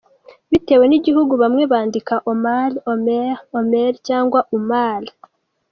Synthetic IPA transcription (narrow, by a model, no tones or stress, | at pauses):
βiteːwe̞niɟiɦuɡuβamŋe̞βaːndikaʔomalomeomeɾcaːŋɡwaʔumal